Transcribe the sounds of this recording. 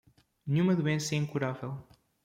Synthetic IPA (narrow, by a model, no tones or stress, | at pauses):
nɲũmɐðuẽsɐɛĩŋkuɾavɛlˠ